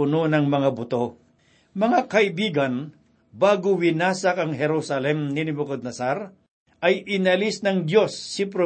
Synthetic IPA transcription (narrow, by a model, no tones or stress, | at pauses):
ʊnonɐŋmɐŋabʊt̪o̞ | mɐŋakɐʔɪbiːɡɐn | baːɡowɪnaːsɐkɐŋɦɛɾusɐlɛmnɪnɪbʊkod̪̚nɐsaɾ | ʔɐjʔɪnɐlisnɐŋd̪jo̞sːɪpɾo